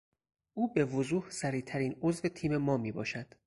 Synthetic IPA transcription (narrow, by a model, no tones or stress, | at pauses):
ʔuːbe̞vozuːhsæɾiːt̪ʰæɾiːnozve̞t̪ʰiːme̞mɒːmiːbɒ̰ːʃæd̪̥